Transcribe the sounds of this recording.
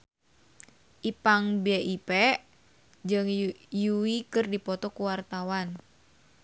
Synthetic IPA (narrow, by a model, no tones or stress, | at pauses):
ʔipaŋbɛʔipɛ | d͡ʒɨŋjuwikɨrdipɔt̪ɔkuwart̪awan